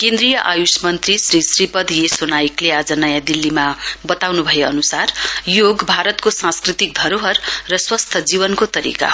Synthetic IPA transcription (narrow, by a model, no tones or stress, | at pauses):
kẽnd̪rijʌʔajusmʌnt̪risrisripʌd̪ʱjesonajiklead͡zʌnʌjãd̪ilːimabʌt̪awnubʱʌjeʌnusarjoɡbʱaɾʌt̪kosãskrit̪ik̚d̪ʱʌɾoɦʌrːʌswʌst̪ʰʌd͡zibʌnkot̪ʌɾḭka̰